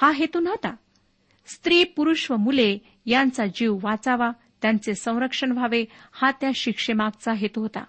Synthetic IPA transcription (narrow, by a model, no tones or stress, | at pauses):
haɦet̪uːnɦot̪a | st̪ɾiːpuɾuʂʋəmule | jant͡sad͡ʑiʋʋat͡saʋa | t̪jant͡sesə̃w̃ɾəkʂəɳʋʱaʋehat̪jaɕikʂemaɡ̚t͡saɦet̪uɦot̪a̰